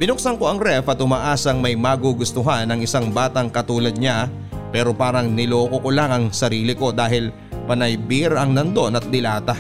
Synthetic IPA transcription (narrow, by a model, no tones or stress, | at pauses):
b̥ɪnʊk̚sɐŋko̞ʔɐŋɾɛfɐt̪ʊmɐʔaːsɐŋmɐjmaɡuɡʊst̪ʊɦanɐŋɪsaŋbaːt̪ɐŋkɐt̪uːlɐd̪̚ɲa | pɛːɾo̞paːɾɐŋnɪloːkokʊlaŋɐŋsɐɾiːlɪko̞d̪aːɦɪl | pɐnɐjbiɾɐŋnɐnd̪o̞nɐt̪̚d̪ɪlaːt̪ɐ